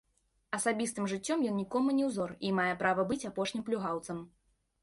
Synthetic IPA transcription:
ɐsabʲist̪ɨmʐɨt͡sʲːɔmjɔnnʲikɔmunʲɛwzɔrimajɛpɾavɐbɨt͡sʲapɔʂnʲimplʲuɣawt̪sɐm

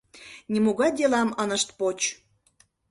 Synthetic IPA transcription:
nʲimuɣɑd̪ʲelɑmənəʃt̪pot͡ɕ

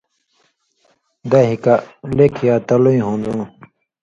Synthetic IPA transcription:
d̪ɐɦikalekʰjaːt̪ɐluĩɦõnd̪ũː

